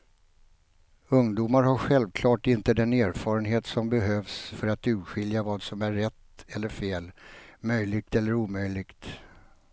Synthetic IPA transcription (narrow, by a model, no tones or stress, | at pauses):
ɵŋd̪uːmaɾhaɧɛlvkʰlɑːʈɪnt̪əd̪ɛneːɾfɑːɾənɦeːt̪sɔmbɛɦøːvsfœɾat̪ʉ̟ːɧɪljavɑːd̪sɔmæɾːɛt̪ːɛlːəɾfeːlmœjlɪɡ̚t̪ɛlːəɾuːmœjlɪɡt̪